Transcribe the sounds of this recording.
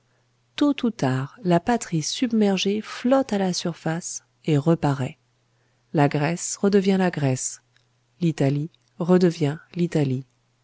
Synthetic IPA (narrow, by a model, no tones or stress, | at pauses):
t̪ut̪ut̪aʁlapat̪χisybmɛʁʒeflɔt̪alasyʁfas | eʁəpaʁɛ | laɡʁɛsʁəd̪əvjɛ̃laɡʁɛs | lit̪ali | ʁəd̪əvjɛ̃lit̪ali